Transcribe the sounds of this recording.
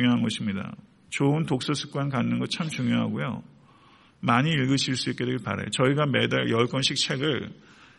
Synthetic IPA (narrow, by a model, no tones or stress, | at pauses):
ŋjoɦanɡʌɕʰimɲida̰ | t͡ɕoɯntok̚s͈ʌsʰu̥k̚k͈ankanːɯnɡʌt͡ɕʰamt͡ɕuŋjoɦa̰ɡojo̰ | maɲiːɭɡɯɕʰiɭs͈uik͈e̞dweɡpa̰ɾḛjot͡ɕʌiɡamedaɭjʌɭk͈ʌnɕʰik̚t͡ɕʰe̞ɡɯɭ